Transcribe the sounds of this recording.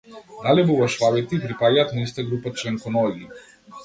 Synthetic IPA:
d̪alɛbuvaʃvavɛt̪ipɾipajat̪nist̪aɡɾupat͡ʃɛŋkɔnɔlʲi

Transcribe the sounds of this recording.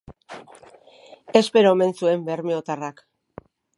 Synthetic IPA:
e̞spe̞ɾome̞nsue̞mbe̞ɾmieot̪arak

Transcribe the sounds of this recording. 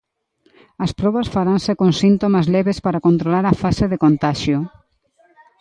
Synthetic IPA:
ɐspɾɔβɐsfaɾansekonsint̪omazleβespaɾakont̪ɾolaɾafaseðekont̪aʃjo

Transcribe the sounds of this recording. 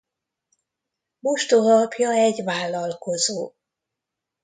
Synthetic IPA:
moʃt̪olɒpjɒɛɟvaːlːɒlko̞zoː

